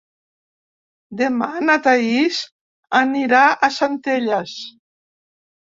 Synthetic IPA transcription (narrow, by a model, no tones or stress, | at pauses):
d̪emanat̪ais | aniɾaʔasant̪eʎas